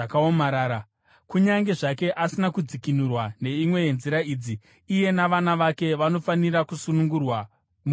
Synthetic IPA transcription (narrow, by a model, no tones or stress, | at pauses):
akaomaɾaːɾa | kuɲaŋɡe̞ʐake̞ʔasinakud͡zikinurwane̞imwe̞nziɾaiːd͡ziː | je̞naʋanaʋake̞ʋano̞faniɾakusunuŋɡurwa | mu